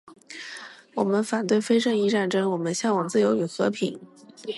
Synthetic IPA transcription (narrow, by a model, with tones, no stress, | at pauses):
wɔ˨˩mə˦nfa˨˩nt̪̬we˥˩ɪfe˥ɪʂɤ˥˧ŋi˧˥ʈ͡ʂa˥˩nʈ͡ʂɤ˥ŋwɔ˨˩mə˦nɕjɑ˥ŋwɑ˨˩ŋt͡sɹ̩˥˩jo˧˥ʊy˨˩xɤ̰˧˥pʰi˨˩˦ŋ